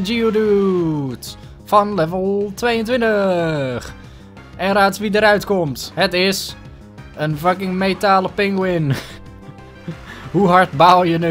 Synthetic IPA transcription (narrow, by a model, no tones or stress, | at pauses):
d͡ʒiodut | fɔnlɛvəlˠtʰʋeːjəntʋɪntəx | ɛnraːtsʋidəɾœɥtkomthətɪs | ənfakɪŋmeːtaːləpɪŋɡwɪn | huɦartbawjənø